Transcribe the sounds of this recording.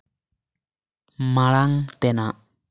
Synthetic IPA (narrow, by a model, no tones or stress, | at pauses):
malaŋt̪ɛnaʔ